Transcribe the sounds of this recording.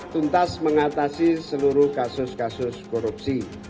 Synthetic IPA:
t̪unt̪asməŋat̪asisəluɾʊhkasʊskasʊskoɾupsi

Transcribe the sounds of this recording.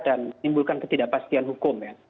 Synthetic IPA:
dannimbulkankət̪idaʔpast̪ianɦukʊmja

